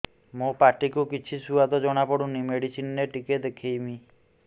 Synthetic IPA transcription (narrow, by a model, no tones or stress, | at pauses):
mopaʈikukit͡ʃʰisuad̪ɔd͡ʒɔɽ̃apɔɽunimeɽisinːeʈiked̪ekʰejmi